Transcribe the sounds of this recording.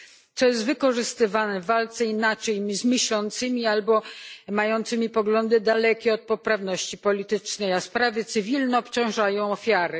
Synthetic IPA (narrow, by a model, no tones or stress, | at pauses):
t̪sɔjɛs̬t̪vɘkɔʐɘst̪ɘvanɛvalt̪sɛinat͡ʂɛjmʲzmʲɘɕlɔnt̪sɘmʲialbɔmajɔnt̪sɘmʲipɔɡlɔnd̪ɘd̪alɛkʲɛɔt̪̚pɔpɾavnɔɕt͡ɕipɔlʲit̪ɘt͡ʂnɛjaspɾavʲjɛt̪sɘvʲilnɛɔpt͡ɕɔ̃w̃ʐajɔ̃w̃ɔfʲjaɾɘ